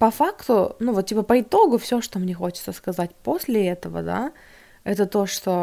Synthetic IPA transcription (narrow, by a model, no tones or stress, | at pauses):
pəfakt̪ʊnuvot̪̚tʲipəpəɪt̪o̞ɡʊfsʲoʂt̪omnʲexo̞t͡ɕɪ̥t̪səskɐzatʲpo̞sʲlʲɪɛt̪əvə̰d̪a̰ | ɛt̪ət̪o̞ʂt̪o